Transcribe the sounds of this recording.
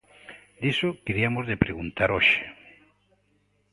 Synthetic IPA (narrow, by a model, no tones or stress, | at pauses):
d̪isokiɾiamozðepɾeɣunt̪aɾoʃe̥